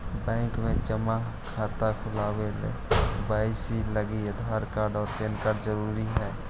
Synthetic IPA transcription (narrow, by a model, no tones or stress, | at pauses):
bɛ̃ːŋkmẽd͡ʒəma | kʰaːt̪akʰʊlaːwelḛbaːɪsiləɡiəd̪ʱaɾkaːɾɖɔːɾpeːnkaːɾɖzəɾuːɾiɦɛː